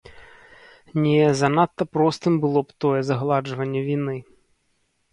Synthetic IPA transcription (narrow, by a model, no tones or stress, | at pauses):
nʲɛzɐnat̪ːɐpɾɔst̪ɨmbɨlˠɔpt̪ɔjɛzɐɣlˠad͡ʐvɐnʲːɛvʲini